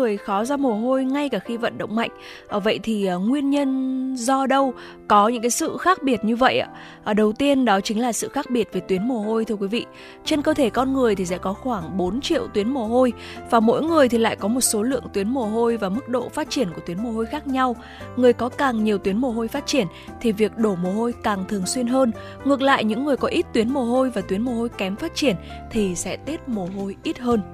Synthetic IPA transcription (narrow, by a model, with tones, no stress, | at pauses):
ɨ˨˩əjxɔ˨˦zɔ˧mo˨˩əɦo˧jŋa˧jkaː˧˩xi˧və̰˧˨nɗə̰˧˨wŋ͡mma̰˧˨jŋ̟ | ʔəː˨˩və̰˧˨jt̪ʰi˨˩ʔəː˨˩ŋwi˧ənɲə˧nzɔ˧ɗə˧w | kɔ˨˦ɲɨ̰˧˥ŋka˨˦jsɨ̰˧˨xaː˦˥k̚ɓi˧˩ət̚ɲɨ˧və̰˧˨jʔa̰ː˧˩ | ʔəː˨˧˩ɗə˨˩wt̪i˧ənɗɔ˨˦t͡ɕï˨˦ŋ̟laː˨˩sɨ̰˧˨xaː˦˥k̚ɓi˨˩ət̚ve˨˩t̪wi˨˦nmo˨˩ɦo˧jt̪ʰɨ˧əkwi˨˦vḭ˧˨ | t͡ɕe˧nkəː˧t̪ʰe˧˩kɔ˧nŋɨ˨˩əjt̪ʰi˨˩sɛ̰˧˥kɔ˨˦xwaː˧˩ŋɓo˨˦nt͡ɕḭ˧˨əwt̪wi˨˦ənmo˨˩ɦo˧j | vaː˨˩mo̰˧˥jŋɨ˨˩əjt̪ʰi˨˩la̰ː˧˨jkɔ˨˦mo˨˩t̚so˨˦lɨ̰˧˨əŋt̪wi˨˦ənmo˨˩ɦo˧jvaː˨˩mɨ˦˥k̚ɗo̰˧˨faː˦˥t̚t͡ɕi˧˩ənku˧˩ət̪wi˨˦ənmo˨˩ho˧jxaː˦˥k̚ɲa˧w | ŋɨ˨˩əjkɔ˨˦kaː˨˩ŋɲi˨˩əwt̪wi˨˦ənmo˨˩ɦo˧jfaː˦˥t̚t͡ɕi˧˩ənt̪ʰi˨˩vi˨˩ək̚ɗo˧˩mo˨˩ho˧jkaː˨˩ŋt̪ʰɨ˨˩əŋswi˧ənɦəː˧n | ŋɨ˨˩ək̚la̰ː˧˨jɲɨ̰˧˥ŋːɨ˨˩əjkɔ˨˦ʔi˦˥t̚t̪wi˨˦ənmo˨˩ɦo˧jvaː˨˩t̪wi˨˦ənmo˨˩ho˧jkɛ˨˦mfaː˦˥t̚t͡ɕi˧˩ən | t̪ʰi˨˩sɛ̰˧˥t̪i˦˥t̚mo˨˩ɦo˧jʔi˦˥t̚ɦəː˧n